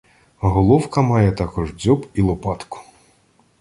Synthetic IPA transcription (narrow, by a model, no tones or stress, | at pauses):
ɦɔlˠɔwkɐmɑjɛt̪ɑkɔʐd͡zʲɔbilˠɔpɑt̪kʊ̥